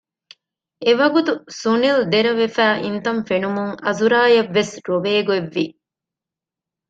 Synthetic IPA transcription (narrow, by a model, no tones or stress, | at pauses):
eʋɐɡut̪usunild̪eɾɐʋefæːʔint̪ɐɱfenumuŋɐzuɾaːjɐʋːesɾoʋeːɡueʋːi